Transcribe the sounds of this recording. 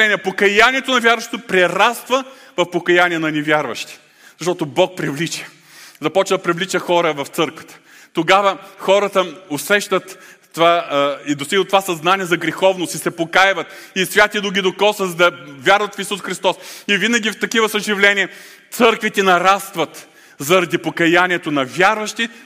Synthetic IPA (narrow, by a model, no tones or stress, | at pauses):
ɛnʲiɛpokɐjanʲiɛt̪onɐvʲjaɾvəʃt̪o̥t̪opɾɛɾast̪və | vɐfpokɐjanʲiɛnɐnɛvʲjaɾvɐʃt̪i̥ | zɐʃt̪ɔt̪obɔk̚pɾivlit͡ʃə̥ | zɐpɔt͡ʃnɐd̪ɐpɾivlit͡ʃəxɔɾəvɐft̪sɤɾkvɐ̥t̪ə̥ | t̪oɡavəxɔɾət̪əosɛʃt̪ət̪ː | vaid̪ost̪iɡlˠət̪ːovasɐznaniɛzɐɡɾixɔvnost̪isɛpokajvɐt̪isvʲat̪id̪oɡʲid̪okɔsɐzd̪ɐvʲjaɾvɐt̪fisusxɾist̪ɔsivinɐɡʲift̪ɐkivəsəʒivlɛnʲiɛ | t̪sɤɾkvit̪ɛnɐɾast̪vɐt̪ | zɐɾɐd̪ipokɐjanʲiɛt̪oʊnɐvʲaɾvɐʃt̪i